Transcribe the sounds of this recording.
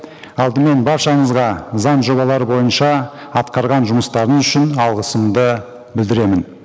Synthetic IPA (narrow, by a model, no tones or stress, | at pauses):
ɑlˠd̪əme̞nbɑɾʃɑɴəzʁɑzɑnʒo̞bɑlˠɑɾəbo̞jənʃɑɑt̪qɑɾʁɑnʒʊməst̪ɑɾəəzʏʃɪnɑlˠʁəsəmd̪ə | bɪld̪ɪɾe̞mɪn